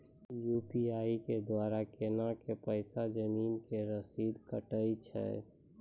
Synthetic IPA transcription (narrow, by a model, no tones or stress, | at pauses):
juːpiaːiked̪waːɾakeːnakepəɪsad͡ʒəmiːnkeɾəsiːd̪kəʈəit͡ʃʰɛ̰